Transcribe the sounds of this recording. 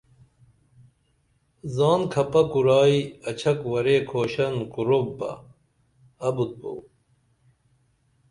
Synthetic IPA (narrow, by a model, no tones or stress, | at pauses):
zɑːnkʰɐpɐkuɾɑːiɐt͡ɕʰɐkwɐɾeːkʰoːɕɐnkuɾobbɐ̰ | ɐbut̪̚bo̰w